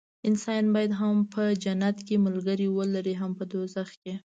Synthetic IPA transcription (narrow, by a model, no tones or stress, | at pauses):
ɪnsɑjnbɑjad̪ɦampəd͡ʒanat̪kemʊlɡəɾiwəlaɾiɦampəd̪ozaxke